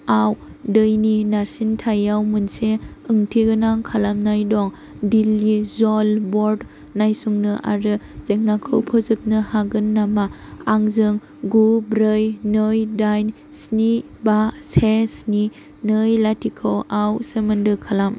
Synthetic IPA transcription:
aw | dɯjninaɾsintʰajawmɯnseɯŋtʰiɡɯnaŋkʰalamnajdɔŋ | dilːizɔlbɔɾd | najsuŋnɯʔa̰ɾɯzek̚nakʰɯwpʰɯzɯp̚nɯhaɡɯnːama | aŋzɯŋ | ɡubɾɯjnɯjdajn | sni | basesni | nɯjlatʰikʰɯwawsemɯndɯkʰalam

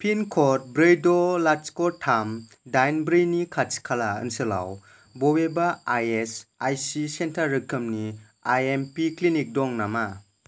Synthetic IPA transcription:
pʰinkʰɔt̚bɾejdolat͡ʃkɔtʰam | dajnbɾɯjnikʰat͡ʃkʰalaɯ̰nsɯla̰w | bɔwebaajesajsisentʰaɾːɯkʰɯmni | ajempiklinik̚dɔŋnama

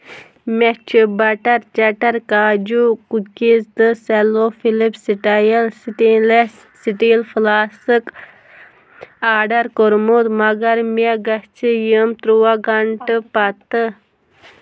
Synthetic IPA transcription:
met͡ʃʰibɐʈɐɾt͡ʃɐʈɐɾkaːd͡ʒukukizt̪ɨselofilipsiʈajɐlʈile | siʈilflaːsɨk | aːɖɐɾkoɾmut̪mɐɡɐɾmeɡɐst͡ʃʰijəmt̪ɾuwaɡɐɳʈɨpɐt̪ə

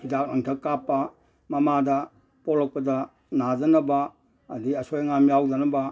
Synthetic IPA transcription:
hidak̚ɐŋtʰɐkːapːɐ | mɐmadɐ | polɐk̚pɐdɐ | nadɐnɐbɐː | diɐsojŋamjawdɐnɐba

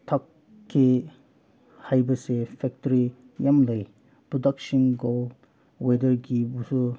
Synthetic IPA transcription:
tʰakʰː | i | hajbɐsepʰɛk̚tɔɾi | jamlɯj | pudaksinɡol | wedɐɾɡibusu

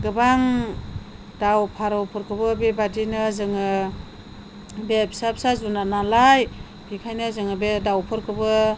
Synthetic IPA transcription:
ɡɯbaŋ | d̥awpʰaɾɔwpʰɯɾkʰɯbɯbebadinɯzɯŋɯ | bepsap̚sazunanalaj | b̥ikʰajnɯzɯŋɯbedawpʰɯɾkʰɯbɯ

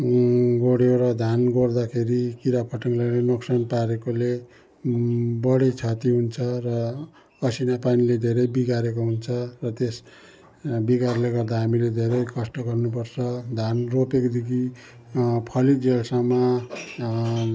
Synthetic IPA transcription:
ɡoɽjoɾʌd̪ʱanɡord̪akʰeɾikiɾapʰʌʈʌŋlajnenoksʌnpaɾekole | bʌɽet͡sʰʌt̪iɦunt͡sʰʌrʌ | ʌsinapaniled̪ʱeɾʌjbiɡaɾekoɦunt͡sʰʌrʌt̪es | biɡarleɡʌrd̪aɦamiled̪ʱeɾʌjkʌsʈʌɡʌrnup̬ʌrt͡sʰʌd̪ʱanropekd̪iɡi | pʰʌlid͡zelsʌma

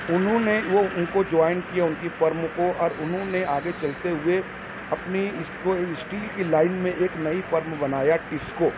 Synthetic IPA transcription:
ʊnɦõneʋoʊnkod͡ʒɔːɪnkijaʊnkifɐɾm̃koʔɔːɾʊnɦõneaːɡet͡ʃɐlt̪eɦʊe | ɐpniɪskosʈiːlkilaːɪnmẽʔeːknɐifɐɾmbɐnaːjaʈɪskoː

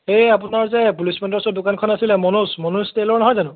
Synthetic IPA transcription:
eap̬ʊnaɹzɛpulismɔndɔsɔdʊkankʰɔnasilɛmɔnusmɔnustelɔɹnɔɦɔjzanʊ̃

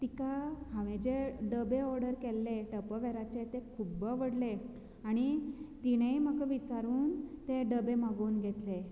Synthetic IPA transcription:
t̪ikahaʋẽd͡ʑeɖəbeɔɾɖəɾkelːeʈəpəʋɛɾat͡ɕet̪ekʰubəʋəɽle | aɽ̃it̪iɽ̃ejm̤əkəʋit͡ɕaɾuːnt̪eɖəbemaɡuːnɡʱet̪le

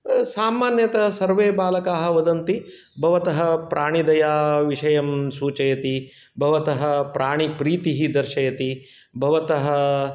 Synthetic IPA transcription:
saːmaːnjɐt̪ɐɦɐsɐɾʋeːbaːlɐkaːɦɐ̆ʋɐd̪ɐnt̪i | bʱɐʋɐt̪ɐɦɐ̆pɾʔaːɳ̃id̪ɐjaːʋiʂɐjɐmsuːt͡ʃɐjɐt̪i | bʱɐʋɐt̪ɐɦɐ̆pɾaːɳ̃ipɾiːt̪iɦid̪ɐɾʃɐjɐt̪i | bʱɐʋɐt̪ɐɦɐ̆

